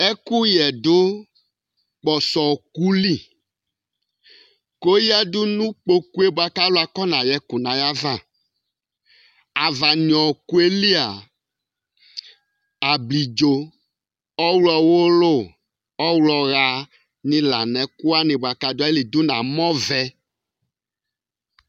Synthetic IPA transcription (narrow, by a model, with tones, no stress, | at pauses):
ɛ˦ku˦jɛ˨dʊ˦ | k͡pɔ˨sɔ˨ku˦li˦˨ | ko˦ji˦a˦dʊ˦nũ˦k͡po˨ku˦e˦bo˨a˨ka˦lo˦a˨kɔ˦nã˨jɛ˨ku˨nã˨ja˦vã˦˨ | a˨va˨nĩ˨ɔ̃˨ku˦e˦li˦a˨ | a˨bli˨d͡ʒo˨ | ɔ˦wlɔ˨wo˦lo˦˨ | ɔ˦wlɔ˨ɣa˨ | nĩ˨˦la̰˨nɛ̃˨ku˦a˦nɪ̃˨ba˨ka˨do˦a˦e˦li˨du˦nã̰˨mɔ̃˦vɛ˨